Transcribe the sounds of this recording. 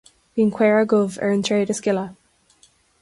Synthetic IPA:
ðiɪ̃ŋkʰw̥ɛɹəɡʊlˠvə̰˞ɪ̃ntʰɹ̥eɪɾəskɪlˠə

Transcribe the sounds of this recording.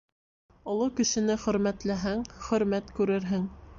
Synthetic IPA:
ŏlˠɤkɵ̆ʃɘ̆nɘχɵ̆ɾmæt̪læɦæŋχɵ̆ɾmæt̪kʉɾɘɾɦɘŋ

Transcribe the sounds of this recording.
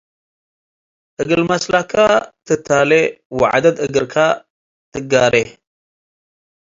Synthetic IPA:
ʔɨɡɨlmɐslakʰːat̪ʰɨt̪ʰːalewɔʕa̰d̪ɐd̪ɨɡɨɾkʰa | t̪ʰɨɡaɾe

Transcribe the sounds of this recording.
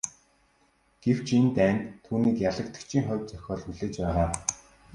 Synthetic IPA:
ɡ̥ew̥t͡ɕʰent̪æːnt̪ʰːuːniːkjaɮə̆kt̪ə̆kt͡ɕʰiːŋχɔwʲt͡sœxʲɔːɮxuɮeːt͡ɕpæːʁaː

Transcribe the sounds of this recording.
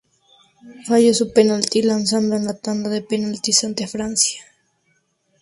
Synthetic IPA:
fajosupenalt̪ilansand̪oenlat̪and̪aðepenalt̪isant̪fɾansjḁ

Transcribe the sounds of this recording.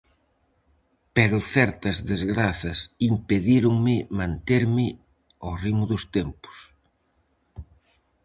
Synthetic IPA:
peɾʊθɛɾt̪ɐzðezɣɾaθɐsimpeðiɾʊŋmɪmãnt̪eɾmɪ | orimʊðʊst̪empʊ̥s

